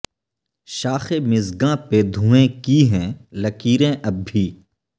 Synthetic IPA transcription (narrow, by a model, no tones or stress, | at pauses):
ʃaːxemɪzɡãped̪ʱũːẽkiɦɛ̃ːlɐkiːɾẽʔɐbʱiː